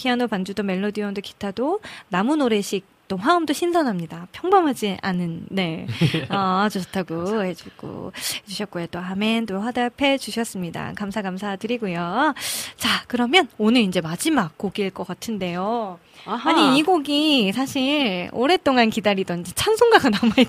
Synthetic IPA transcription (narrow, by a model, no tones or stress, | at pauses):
kʰianopand͡ʑudome̞ɭːodiʌndoki̥tʰadonamunoɾe̞ɕʰik̚t͈oɸaɯmdoɕʰinsʰʌnɦamɲidapʰjʌŋbʌmɦad͡ʑiʔa̰nːɯnːe̞at͡ɕoɕʰʌtʰaɡohe̞d͡ʑuɡ͈o̰ed͡ʑuɕʰʌt̚k͈ojot͈oamendoɸwadapʰe̞d͡ʑuɕʰʌs͈ɯmɲida̰kamsʰaɡamsʰatɯɾiɡujo | t͡ɕakɯɾʌmjʌnonɯɾind͡ʑe̞mad͡ʑimak̚k͈oɡiɭk͈ʌk͈atʰɯnde̞jo | aɲiiɡoɡisʰaɕʰiɭo̰ɾe̞t͈oŋankidaɾidʌnd͡ʑet͡ɕʰansʰoŋɡaɡanamai